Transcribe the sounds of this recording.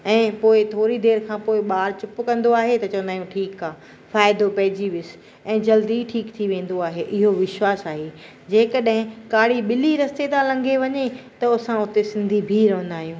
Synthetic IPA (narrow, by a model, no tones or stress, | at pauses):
ɛ̃ːpoːɪt̪ʰoːɾid̪eːɾkʰãːpoːɪɓaːɾt͡ɕʊpʊkɐ̃nd̪oaːɦet̪ɐt͡ɕɐʋə̃nd̪aːjũʈʰiːkaː | faːɪd̪opɐɦɪd͡ʑiʋɪs | ɛ̃ːd͡ʑɐld̪iʈʰiːkt̪ʰiʋẽːn̆d̪oaːɦeʔɪɦoʋɪʃwaːsaːɦe | d͡ʑeːkɐɗɦɪ̃kaːɽ̤iɓɪliɾɐst̪et̪ãlɐ̃ŋɡʱeʋɐɲet̪ɐʊsãʊt̪esɪ̃nd̪ʱibʱiɾɐɦnd̪aːɦijũː